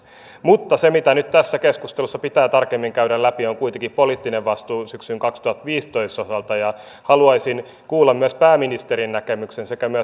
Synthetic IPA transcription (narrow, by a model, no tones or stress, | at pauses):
mut̪ːɑsemit̪ænyt̪t̪æsːækeskust̪elusːɑpit̪æːt̪ɑrkemːiŋkæydællæpioŋkuit̪eŋkippoliːt̪ːineʋʋɑst̪uːsyksyŋkɑkst̪uhɑt̪ʋiːst̪o̞ist̪osɑlt̪ɑjɑ | hɑluɑisin | kuːlːɑmmyæspæːminist̪eɾinːækemyksensekæmyæ